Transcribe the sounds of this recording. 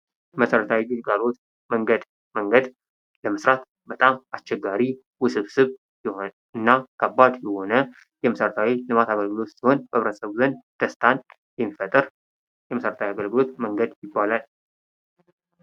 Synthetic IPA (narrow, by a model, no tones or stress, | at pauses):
məsəɾət̪ʰawiɡɨlɡalo̞t̪ | məŋɡəd̪ | məŋɡəd̪ | ləməsɾat̪ | bət̪ʼamast͡ʃːɛɡːaɾi | wʊsɨβsɨβ | jɛho | ɨnːakʰəbːad̪jɛho̞nə | jɛməsəɾət̪ʰawilɨmat̪aɡəlɡɨlo̞t̪siho̞nfəβɾəsəβuzənt̪ʰəst̪ʰan | jɛmːifət̪ʼɨɾ | jɛməsəɾət̪ʰawiaɡəlɡɨlo̞t̪məŋɡəd̪jɪbːalal